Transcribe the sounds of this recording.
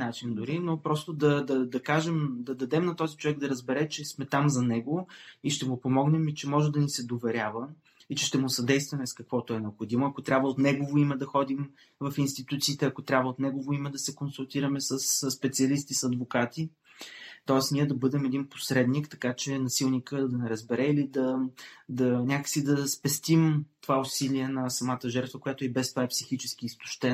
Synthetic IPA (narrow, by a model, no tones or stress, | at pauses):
nat͡ʃind̪ʊɾinopɾɔst̪od̪ɐd̪ɐd̪ɐkaʒɛmd̪ɐd̪ɐd̪ɛmnɐt̪ɔzit͡ʃovɛɡ̚d̪ɐɾɐzbɛɾɛt͡ʃɛsmɛt̪amzɐnɛɡoiʃt̪ɛmʊpomɔɡnɛmit͡ʃɛmɔʒɛd̪ɐnisɛd̪ovɛɾʲjavə | it͡ʃɛʃt̪ɛmʊsɐd̪ɛjst̪vɐmɛskɐkvɔt̪oɛnɛopxod̪imoɐkot̪ɾʲabvəot̪nɛɡovoimɛd̪ɐxɔd̪im | vɐfinst̪it̪ut̪siːt̪ɛɐkot̪ɾʲabvəot̪nɛɡovoimɛd̪ɐsɛkonsulˠt̪iɾɐmɛsəsːpɛt̪siɐlist̪isɐd̪vokat̪i | t̪ɔɛsniɛd̪ɐbɤd̪ɛmɛd̪inpo̥sɾɛd̪nikt̪ɐkat͡ʃɛnɐsilˠnikəd̪ɐnɛɾəzbɛɾɛilid̪ɐd̪ɐnʲakəksid̪ɐspɛst̪imt̪ovaosiliɛnɐsɐmat̪əʒɛɾt̪vəkojat̪oɛbɛst̪ovaɛpsixit͡ʃɛsk̟iːst̪ʊ̥ʃt̪ɛ